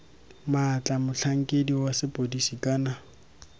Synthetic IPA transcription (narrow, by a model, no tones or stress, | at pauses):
mat͡ɬʼamʊɬʰaŋ̩kʼediwasɪpʼodisikʼaːna